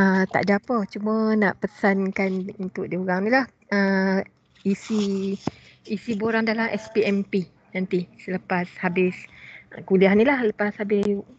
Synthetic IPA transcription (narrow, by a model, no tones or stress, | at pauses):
ət̪a̰ʔd͡ʒapət͡ʃumə̃naʔpəsankanunt̪ʊʔ̚diuɣaŋnĩlah | ə | isiː | siboɾaŋdalamʔɛspiɛmpi | nant̪isələpashabɪskuliahnĩlahləpashabɪjuʔ